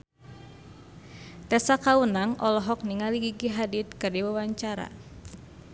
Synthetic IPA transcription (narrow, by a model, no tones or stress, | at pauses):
t̪ɛsakaunaŋʔɔlɔɦɔk̚niŋaliɡiɡiɦadit̪̚kɨrdiwawaɲt͡ʃaɾa̰